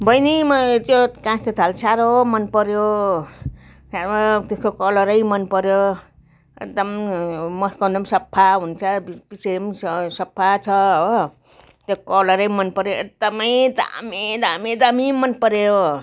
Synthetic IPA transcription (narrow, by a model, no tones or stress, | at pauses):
bʱʌjnimʌt̪jokãst̪ot̪ʰalsaɾomʌnpʌɾjo | saʌt̪eskokʌlʌɾʌjmʌnpʌɾjo | ḛk̚d̪ʌmmʌskʌnd̪ʌmsʌpʰːaɦunt͡sʰʌb̥isemssʌpʰːat͡sʰʌ | t̪jokʌlʌɾʌjmʌnpʌɾjoek̚d̪ʌmʌjd̪a̰med̪amed̪amimʌnpʌɾeo